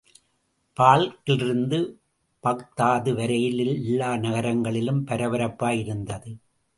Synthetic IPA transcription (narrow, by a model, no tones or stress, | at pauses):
paːɭkɪɭɪɾɯnd̪ɯ | pɐkt̪ːaːðɯʋɐɾɐjɪlɪlɛlːaːnɐɣɐɾɐŋɡɐɭɪlɯmpɐɾɐʋɐɾɐpːaːjɪɾɯnd̪ɐðɯ